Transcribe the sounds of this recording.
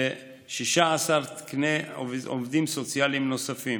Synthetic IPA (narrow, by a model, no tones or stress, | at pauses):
e | ʃiʃaːsaʁt̪i̥kneo̰vd̪imsot͡sjalimnosafim